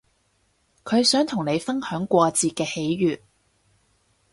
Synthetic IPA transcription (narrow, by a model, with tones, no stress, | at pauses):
kʰɵ˨˧ɥsœː˨˥ŋt̪ʰʊ˨˩ŋne˨˧jfɐ˥nhœː˨˥ŋkʷɔː˧t͡siː˨t̚kɛː˧he˨˥jɥyː˨t̚